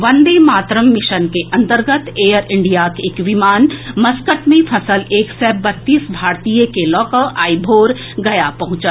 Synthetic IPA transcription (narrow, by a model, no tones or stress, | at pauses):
ʋɐ̃nd̪emaːt̪ɾəmːɪʃənkeʔɐ̃nt̪əɾɡət̪ʰeːjəɾɪ̃ɳɖijakeːkʋɪmaːnmɐskəʈmẽpʰɐsəleːksɛbɐt̪ːiːsbʱaːɾt̪ijekelɔːkəʔaːibʱoːɾ | ɡɐjapɐɦʊ̃t͡ʃət̪